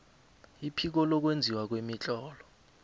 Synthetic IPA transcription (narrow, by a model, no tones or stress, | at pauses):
ipʰik̬ɔlɔk̬wend͡zʱiwak̬wemit͡ɬʼɔːlɔ